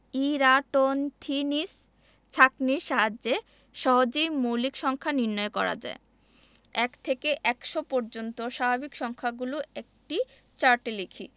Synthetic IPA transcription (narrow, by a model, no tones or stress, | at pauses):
iɾaʈont̪ʰinis | t͡ɕʰakniɾʃaɦad͡ʑːe | ʃɔɦod͡ʑejmowlikʃɔŋkʰaniɾnɔekɔɾa̰d͡ʑa̰e | ɛkt̪ʰekeʔɛkʃopɔɾd͡ʑont̪oʃabʱabikʃɔŋkʰaɡuloek̚ʈi | t͡ɕaɾʈelikʰi